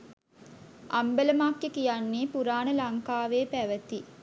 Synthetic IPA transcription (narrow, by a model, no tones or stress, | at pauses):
ʔɐmbeləmakːjekijanːiːpuɾaːnəlɐŋkaːʋeːpæʋɐt̪i